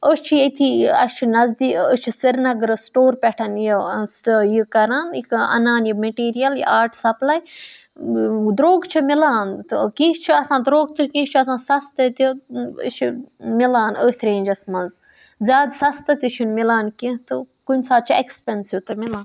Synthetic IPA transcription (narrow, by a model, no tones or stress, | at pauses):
əst͡ʃʰijet̪ʰiɐ̰st͡ʃʰinɐzd̪iːət͡ʃʰisiɾnɐɡɾɐsʈoːɾpʲɛʈʰɐnjisjikɐɾaːnikɐ̰naːnjimɐʈiːɾijɐljḭʔaːɾʈsɐplaːj | d̪ɾoːɡt͡ʃʰimilaːnt̪ɨkĩʃt͡ʃʰiɐsãːd̪ɾoːɡt̪uɾʲkĩːʃʲt͡ʃʰuɐsãːsɐst̪ɐt̪uə̰t͡ʃʰimilaːnəːt̪ʰɾẽːnʲd͡ʒɐsmɐnz | zʲaːd̪sɐst̪ɐt̪ʲut͡ʃʰunmilaːnkĩt̪ɨ | kunʲsaːd̪t͡ʃʰiekspʲensjut̪ɨmilãːn